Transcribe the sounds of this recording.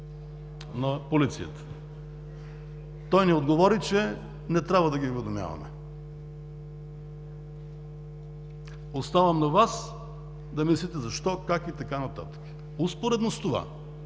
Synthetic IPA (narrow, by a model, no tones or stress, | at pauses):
nɐpolit̪sijə̰t̪ə̥ | t̪ɔjnɛod̪ɡovɔɾit͡ʃɛ | nɛt̪ɾʲabvəd̪ɐɡiovɛd̪omja̰vɐ̰mɛ̰ | ost̪avɐmnɐvas | d̪ɐmislit̪ɛzɐʃt̪ɔkakit̪ɐkanɐt̪a̰t̪ə̥kə̥ | uspoɾɛd̪nost̪ova̰